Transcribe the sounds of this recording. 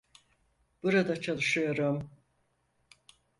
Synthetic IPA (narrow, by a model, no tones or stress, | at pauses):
b̥uɾad̪at͡ʃʰalˠɯʃɯjo̞ɾum